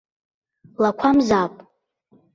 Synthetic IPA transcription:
lakʷʰamzapʼ

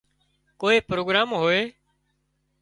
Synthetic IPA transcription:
koːeːpɾoːɡɾaːmɦoːeː

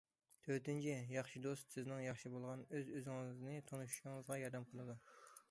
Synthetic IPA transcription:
t̪ʰøɾt̪ɪnt͡ʃʰijɑχʃid̪ost̪sɪznɪŋjɑχʃibolˠʁɑnøzøzɪŋɨɨznɨt̪ʰonuʃu̥ʃɪŋəzʁɑjɑɾd̪ɛmqʰəlˠɨd̪u

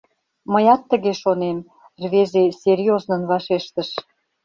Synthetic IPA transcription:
məjɑt̪ːə̆ɣeʃonem | rβezeserʲjoznə̆nβɑʃeʃt̪ə̆ʃ

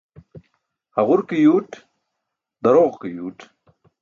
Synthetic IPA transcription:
hɐʁuɾkijuːʈ | d̪ɐɾoːʁkijuːʈ

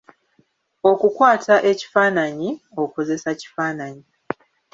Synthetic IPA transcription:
o̞kukwaːtʰaʔe̞ci̥faːnaɲioko̞ze̞saci̥faːnaɲi

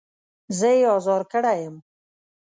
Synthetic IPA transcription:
zəjeɑzɑɾkəɽajəm

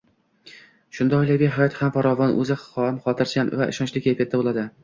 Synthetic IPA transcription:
ʃʊnd̪ɒjlɪɡʲɪɦajɒt̪hamfaɾɒvɒnʔɵ̰zɪɒɪmχɒt̪ʰɪɾsanva̰ɪ̰ʃɒnt͡ʃlɪkʲjekʰʲet̪ːabolˠad̪ɪ

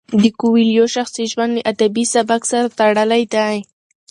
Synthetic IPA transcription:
d̪ɪkʊwiljoʃaxsiʒwand̪eʔad̪abisabaksaɾat̪aɽalajd̪aj

